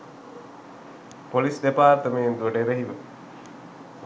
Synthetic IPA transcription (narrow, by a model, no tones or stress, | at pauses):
polisɖepaːɾt̪əmend̪uɖeɾəɦiʋə